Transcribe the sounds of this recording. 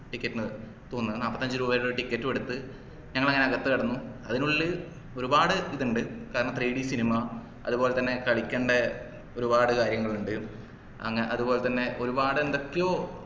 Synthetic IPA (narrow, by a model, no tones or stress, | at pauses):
ʈikʲːɐtːɨnɐ | t̪oːnːɐðnaːpːɐt̪ːɐɲd͡ʑɨɾuːbɐoɾuʈikʲːɐtːuʋe̞ɽut̪ːɨ | ɲɐŋːɐɭɐŋːɐneɐɣɐt̪ːɨkɐɽɐnːuɐðinuɭːɨ | o̞ɾubaːɽɨiðuɳɖɨkaːɾɐɳɐmt̪riːɽisinimɐ | ɐ̰ðubo̞ːle̞t̪ɐnːe̞kɐɭikʲːeːɳɖe | o̞ɾubaːɽɨkaːɾjɐŋːɐɭuɳɖɨ | ɐ̰ŋːɐʔɐðubo̞ːlet̪ɐnːe̞ʔo̞ɾubaːɽɨend̪o̞kːejoː